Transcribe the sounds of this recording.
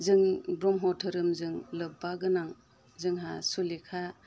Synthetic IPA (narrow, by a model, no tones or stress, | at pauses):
zɯŋbɾɔmɦɔtʰɯɾɯmzɯŋlɯbaɡɯnaŋ | zɯŋɦa̰sulikʰa